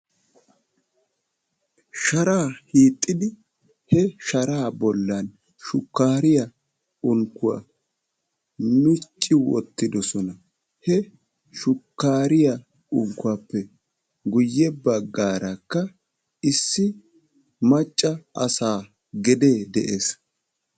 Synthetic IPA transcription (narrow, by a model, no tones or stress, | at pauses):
ʃɐɾaːhiːt̪ʼːɪd̪ɪ | hɛʃɐɾaːbɔlːɐn | ʃʊkːaːɾɪjɐ | ʊŋkːʊwa̰ | nʊt͡ʃʼːɪwɔ̰t̪ːɪd̪ɔsɔnɐ | hɛ | ʃʊkːaːɾɪja | ʊŋkːʊwaːpːɛ | ɡʊjːɛbɐɡːaːɾɐkːɐ | ɪsːɪ | mɐt͡ʃʼːɐʔɐsaː | ɡɛd̪e̞ːd̪ɛʔeːs